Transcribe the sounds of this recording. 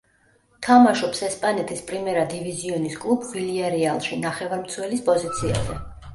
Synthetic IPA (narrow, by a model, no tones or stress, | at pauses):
t̪ʰamaʃɔpsɛspʼanɛt̪ʰispʼɾimɛɾad̪iviziɔniskʼlˠubviliaɾɛalˠʃinaχɛvaɾmt̪sʰwɛlispʼɔzit̪sʰia̰zɛ̰